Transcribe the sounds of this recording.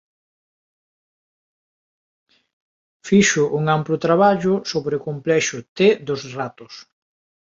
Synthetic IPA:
fiʃʊʔuŋamplʊt̪ɾaβaʎʊsoβɾeʊkomplɛʃʊt̪ed̪ʊzrat̪ʊs

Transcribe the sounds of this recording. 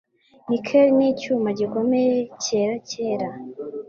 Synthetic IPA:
nikʰeɾiniːcuːmaɟiko̞me̞jece̞ːɾace̞ːɾa

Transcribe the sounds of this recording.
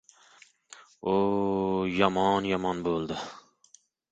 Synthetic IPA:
o | jɑmɑnjɑmɑnbolˠd̪ɨ

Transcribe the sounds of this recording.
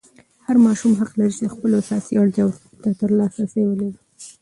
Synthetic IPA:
haɾmɑʃumɦaqlaɾit͡ʃed̪əxpəloasɑsiaɽt̪jɑw | t̪at̪əɾlɑsasewəlaɾi

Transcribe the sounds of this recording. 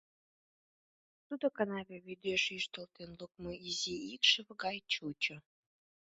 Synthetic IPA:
t̪ud̪okɑnɑβeβid̪øʃyʃt̪əlt̪enlukmoiziikʃəβɡɑjt͡ɕut͡ɕo

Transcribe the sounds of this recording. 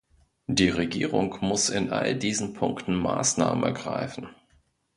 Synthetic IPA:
d̥iːʁeɡḭːʁʊŋmʊsɪnʔa̰ldiːzn̩pʰʊŋktn̩ma̰ːsna̰ːmənɛ̰ɐɡʁaɪfn̩

